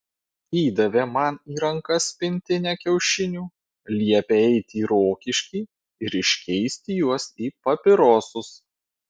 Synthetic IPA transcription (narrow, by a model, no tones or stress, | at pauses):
iːd̪ɐʋʲemɐniːɾɐŋkɐspʲɪnʲt̪ʲɪnʲɛkʲɛʊʃʲɪnʲuː | lʲiɛpʲeɛɪt̪ʲiːɾoːkʲɪʃʲkʲiː | ɪɾɪʃʲkʲɛɪsʲt̪ʲɪjuɔsiːpɐpʲɪɾoːsʊs